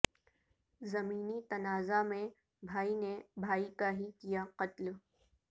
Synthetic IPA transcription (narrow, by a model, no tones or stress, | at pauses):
zɐmiːnit̪ɐnaːzamẽ | bʱaːinebʱaːikaɦikijaqɐt̪l